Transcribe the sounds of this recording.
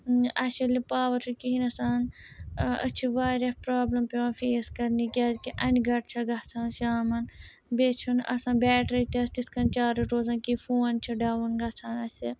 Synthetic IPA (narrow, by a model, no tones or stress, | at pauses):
ɐsɐlipaːʋɐɾsʰukiɦinɐsaːn | ə̰t͡ʃʰiʋaːɾʲɐpɾaːblɐmpeʋãːfeːskɐɾnikiaːd͡ʒkiʔɐnʲɡɐʈ̚t͡ʃʰɐɡɐt͡sʰaːnʃaːmɐn | bet͡ʃʰunɐ̰sãːnbʲɛːʈʰɾɐt̪ɐst̪iskɐnt͡ʃaːɾɐʈoːzãːnkifuːnt͡ʃʰiɖaːʋɐnɡɐt͡sʰaːnɐsi